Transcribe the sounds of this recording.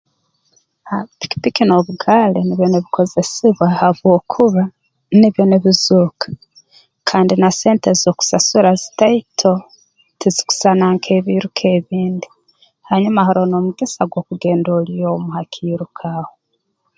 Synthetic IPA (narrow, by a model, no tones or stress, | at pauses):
api̥ki̥pikino̞βuɡaːleniβjoneβiko̞ze̞siβwahaβwo̞ːkʰuβa | niβjo̞neβizuːkḁ | kʰaːndinase̞ːntezoku̥sasuɾazi̥taitʰo̞ | tʰizi̥ku̥sanaŋkʰe̞βiɾukʰe̞βiːndi | haɲumahaɾo̞no̞muɡisaɡwo̞ːkuɡe̞ːndolijomuhakʰiɾukʰaːho